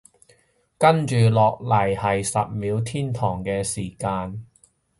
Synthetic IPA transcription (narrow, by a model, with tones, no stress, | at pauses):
kɐ˥nt͡ʃyː˨lɔː˨k̚lɐ˨˩jhɐ˨jsɐ˨p̚miː˨˧wt̪ʰiː˥nt̪ʰɔː˨˩ŋkɛː˧siː˨˩kaː˧n